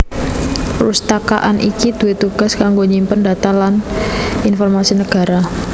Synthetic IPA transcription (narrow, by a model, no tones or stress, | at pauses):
rust̪aka̰ʔanʔḭkid̪̥ṳwet̪uɡ̥a̤skaŋɡoɲimpəndat̪alaninfɔrmasinəɡ̥a̤ɾa